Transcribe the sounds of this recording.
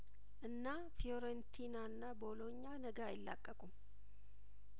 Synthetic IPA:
ʔɨnːa | foɾɛnt̪ʰinaɨnːabo̞lo̞ɲːanəɡaajɪlːa̰kʼːəkʼum

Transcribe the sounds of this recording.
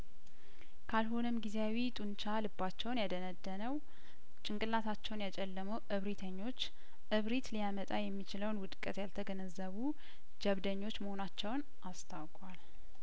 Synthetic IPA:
kʰalɦo̞nɨmɡizeawit̪ʼunt͡ʃʰalɨbːat͡ʃːɛwnjad̪ənəd̪ːənəw | t͡ʃʼɪŋkʼɨlːat̪ʰat͡ʃːɛwnjat͡ʃʼɛlːəməwʔɨβɾit̪ʰəɲːo̞t͡ʃː | ʔɨβɾit̪lijamət̪ʼajɛmːit͡ʃɪləwnwʊd̪kʼət̪jalt̪ʰəɡənəzːəβu | d͡ʒəβd̪əɲːo̞t͡ʃːməho̞nat͡ʃːɛwn | ʔast̪ʰawkʼwal

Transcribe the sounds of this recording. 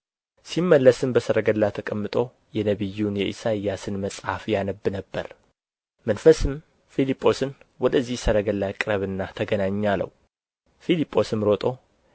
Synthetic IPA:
simːəlːəsɨmbəsəɾəɡəlːat̪ʰəkʼəmːɨt̪ʼo̞ | jɛnəβɨjːunjɛʔisajːasɨnməsʼhafjanəbːɨnəbːəɾ | mənfəsɨm | filipʼːo̞sɨnwɔd̪əzːihsəɾəɡəlːakʼɨɾəβɨnːat̪ʰəɡənaɲːalːə̰wu | filipʼːo̞sɨmɾo̞t̪ʼo̞

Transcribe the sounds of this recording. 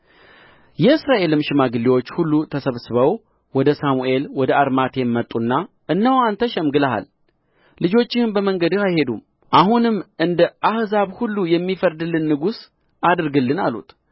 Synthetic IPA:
jɛɨsɾaʔe̞lɨmʃɨmaɡɨlːiwo̞t͡ʃːhulːut̪ʰəsəβsɨβəw | wɔd̪əsamuʔe̞lwɔd̪əaɾmat̪ʰe̞mːət̪ʼːunːa | ʔɨnːəwant̪ʰəʃɛmɡɨlaɦa̰lː | ɨd͡ʒo̞t͡ʃːɪhɨnbəməŋɡəd̪ɨhajhe̞d̪um | ʔaɦunɨmːʔɨnd̪əʔahzaβhulːujɛmːifəɾd̪ɨlːɨnːɨɡus | ad̪ɾɡɨlːɨnalṵt̪

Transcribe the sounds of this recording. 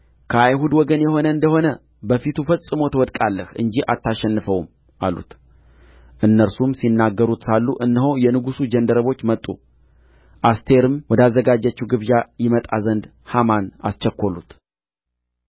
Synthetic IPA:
kʰəajhud̪wɔɡənjɛho̞nəɨnd̪əho̞nə | bəfit̪ʰufət͡sʼːɨmo̞t̪ʰəwɔd̪kʼalːəhɨ̰nd͡ʒiʔa̰t̪ʰːaʃɛnːɨfəwm | ʔa̰lṵt̪ | ʔɨnːəɾsumsinːaɡːəɾut̪salːuʔɨnːɨɦowjɛnɨɡusud͡ʒənd̪əɾəβo̞t͡ʃːmət̪ʼːṵ | ʔast̪ʰe̞ɾɨmwɔd̪azːəɡad͡ʒːət͡ʃːiwɡɨβjajɪmət̪ʼa̰zənd̪ | hamana̰st͡ʃːɛkʰʷːo̞lṵt̪

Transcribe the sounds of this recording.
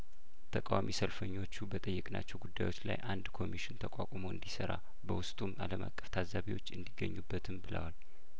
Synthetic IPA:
t̪ʰəkʼawamisəlfəɲːo̞t͡ʃːubət̪ʼəjːɨkʼna̰t͡ʃːɛwɡud̪ːajwo̞t͡ʃːla̰jʔand̪kʰo̞miʃɪnt̪ʰəkʼakʷʼmoɨ̰nd̪isəɾa | bəwʊst̪ʼumaləma̰kʼːəft̪ʰazaβiwo̞t͡ʃːɨnd̪iɡːə̰ɲːubːət̪ʰɨmbɨlə̰wal

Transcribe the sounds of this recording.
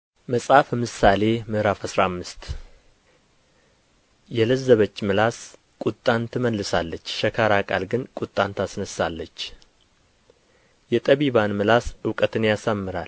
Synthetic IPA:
məsʼhafəmɨsale̞mɨhɾafasɾamːɨst̪ | jɛləzːəβət͡ʃːmɨlas | kʼut̪ʼːant̪ʰɨməlːɨsalːət͡ʃːʃəkʰaɾakʼalɡɨnkʼut̪ʼːant̪ʰasnəsːalːət͡ʃː | jɛt̪ʼəβiβanmɨlasɨwkʼət̪ʰɨnjasamːɨɾal

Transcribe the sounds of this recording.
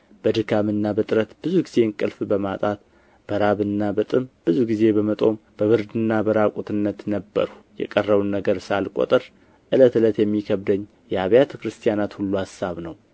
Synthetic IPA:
b̥əd̪ɨkʰamɨnːabət̪ʼɾət̪b̥ɨzuɡize̞nkʼɨlfbəmat̪ʼat̪ | b̥əɾaβɨnːabət̪ʼɨmb̥ɨzuɡize̞bəmət̪ʼo̞mb̥əβɨɾd̪ɨnːabəɾakʼut̪ʰɨnːət̪nəbːə̰ɾu̥ | jɛ̰kʼərːəβunːəɡəɾsalkʼo̰t̪ʼɨɾ | ʔɨlət̪ɨlət̪jɛmːikʰəβd̪əɲː | jɛaβjat̪ʰəkɾɨst̪ʰijanat̪hulːuhasːaβnəw

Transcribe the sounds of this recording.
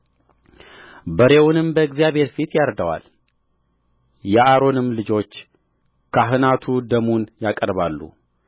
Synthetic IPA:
bəɾe̞wnɨmbəɨɡzijabʱe̞ɾfit̪jaɾd̪awa̰l | jɛʔaɾo̞nɨmlɨd͡ʒo̞t͡ʃː | kʰaɦɨnat̪ʰud̪əmunjakʼəɾβalːṵ

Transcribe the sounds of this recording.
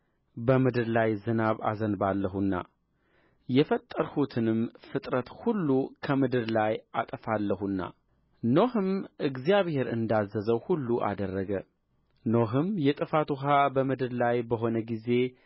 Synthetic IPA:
bəmɨd̪ɨɾlajzɨnaβa̰zənbalːəɦunːa̰ | jɛfət̪ʼːəɾhut̪ʰɨnɨmfɨt̪ʼɾət̪hulːukʰəmɨd̪ɨɾlajʔat̪ʼəfalːəhunːa̰ | no̞hɨmʔɨɡzijaβhe̞ɾɨ̰nd̪azːəzəwhulːuʔa̰d̪ərːəɡə | noɦɨmjɛt̪ʼɨfat̪uɦabəmɨd̪ɨɾlajbəɦo̞nəɡize̞

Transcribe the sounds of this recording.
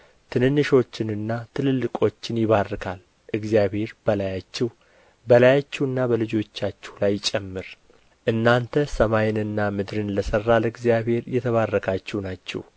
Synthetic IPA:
t̪ʰɨnɨnːɨʃo̞t͡ʃːɪnɨnːat̪ʰɨlɨlːɨkʼo̞t͡ʃːɪnjɪβarːɨkʰal | ʔɨɡzijaβhe̞ɾbəlajat͡ʃːɛw | bəlajat͡ʃːɛwɨnːabəlɨd͡ʒo̞t͡ʃːat͡ʃːɛwlajt͡ʃʼːɛmːɨɾ | ʔɨnːant̪ʰəsəmajɪnɨnːamɨd̪ɾɨnləsərːaləɨɡzijabhe̞ɾjɛt̪ʰəβarːəkʰat͡ʃːɛwnat͡ʃːɛ̰w

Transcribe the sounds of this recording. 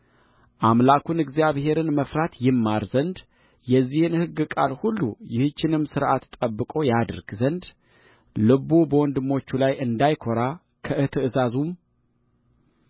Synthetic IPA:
ʔamlakʰunɨɡzjaβhe̞ɾɨnməfɾat̪jɪmːaɾzənd̪ | jɛzːihɨnhɨɡːɨkʼalhulːṵjɪhɨt͡ʃːɪnɨmːsɨɾʔat̪t̪ʼəbːɨkʼo̞jad̪ɨɾɡzənd̪ | lɨβubəwɔnd̪ɨmːo̞t͡ʃːulajɨnd̪ajkʰoɾa | kʰəʔɨt̪ʰɨɨzazum

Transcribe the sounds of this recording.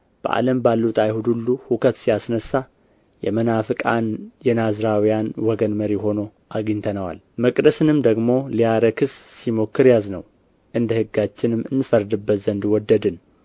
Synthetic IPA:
b̥ə̰ʔa̰ləmbalːut̪ʼajhud̪ulːuhukʰət̪sijasnəsːa | jɛ̰mənafɨkʼanjɛnazɾawijanwɔɡənməɾiho̞no̞ | ʔaɡɨɲt̪ʰənəwa̰l | məkʼd̪əsɨnɨmd̪əɡmo̞lijaɾəkʰɨsːimo̞kʰːɨɾjaznəw | ʔɨnd̪əhɨɡːat͡ʃːɪnɨmɨnfəɾd̪ɨbːət̪zənd̪wɔd̪ːəd̪ɨn

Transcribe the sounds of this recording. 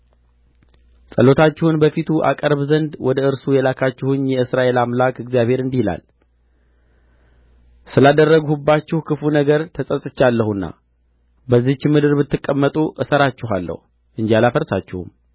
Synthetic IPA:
sʼəlo̞t̪ʰat͡ʃːɪhunbəfit̪ʰuʔa̰kʼəɾβzənd̪wɔd̪əɨɾsujɛlakʰat͡ʃːɪhunjɛɨsɾaʔe̞lamlakɪɡzjaβhe̞ɾɨnd̪ihila̰l | sɨlad̪ərːəɡhubːat͡ʃːɪhkʰɨfunəɡəɾt̪ʰəsʼəsʼɨt͡ʃːalːəhunːa̰ | bəzːit͡ʃːɪmɨd̪ɨɾbɨt̪ːɨkʼːəmːət̪ʼuʔɨsəɾat͡ʃːɪɦalːə̰hu | ʔɨɲd͡ʒialafəɾsa̰t͡ʃːɪhṵm

